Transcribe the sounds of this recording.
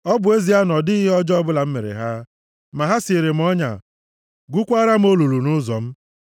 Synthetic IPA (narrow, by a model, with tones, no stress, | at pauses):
ɔ˦bʊ˨e˦zi˨a˦nɔ˨dɪ˦ɦɔ˦d͡ʒɔ˦ɔ˦bʊ˦la˨m̩˦me˨ɾḛ˨ɦa˦ | ma˨ɦa˦si˨ɾe˨m̩˦ɔ˦ɲa̰˨ | ɡʷu˦kʷa˦ɾa˦m̩˦o˦lu˨lu˨nʊ˦zɔ̰˨m̩˦